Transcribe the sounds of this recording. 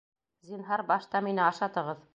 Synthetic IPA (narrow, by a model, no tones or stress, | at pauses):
zʲinɦɑɾbɑʃt̪ɑminɘɑʃɑt̪ɤ̆ʁɤð